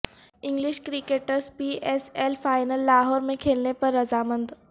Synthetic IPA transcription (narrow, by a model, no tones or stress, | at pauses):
ɪ̃ŋɡlɪʃkɾɪkeːʈəɾspiːʔeːselfaːɪnəlːaːɦɔːɾmẽkʰeːlnepɐɾːɐzaːmə̃nd̪